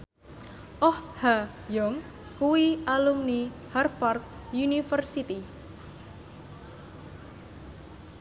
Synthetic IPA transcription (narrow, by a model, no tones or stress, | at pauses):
ʔɔhha | jɔŋ | kuwiʔalumniharfɔrt̪̚junifərsit̪i